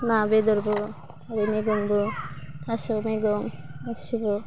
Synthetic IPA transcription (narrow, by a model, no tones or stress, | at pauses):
nabed̪ɔɾbɔ | aɾineɡɔŋbɔt̪ʰasɔmeɡɔŋasibɔ